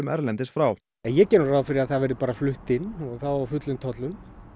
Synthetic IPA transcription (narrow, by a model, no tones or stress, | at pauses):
ʏmɛɾlɛnt̪ɪsfɾaw | ɛnjɛcɛːnʏɾraːwðfɪɾɪaðθavɛɾðɪpaːɾaflʏht̪ɪnːɔɣθawaafʏt̪lʏnt̪ʰɔt̪lʏn